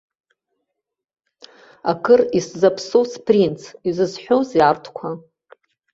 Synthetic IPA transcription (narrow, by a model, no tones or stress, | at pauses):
akʰɨriszapʰsowspʰrint͡sʰizɨzħʷowzjartʰkʷʰa